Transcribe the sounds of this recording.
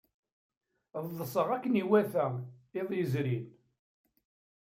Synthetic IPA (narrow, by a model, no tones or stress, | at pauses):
ððˤəsˤəʁækːəniwæθæeðˤjəzɾin